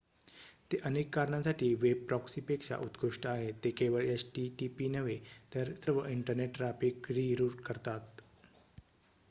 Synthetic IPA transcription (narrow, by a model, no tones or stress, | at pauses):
t̪eʔənekːaɾɳãsaʈʰiːʋeb̚pɾɔksipekʂa̰ʔut̪kɾuʂʈəaɦet̪ekeʋəɭesʈiʈipinəʋet̪əɾsəɾʋəʔiɳʈəɾneʈːɾafikɾiːɾuʈkəɾt̪at̪̚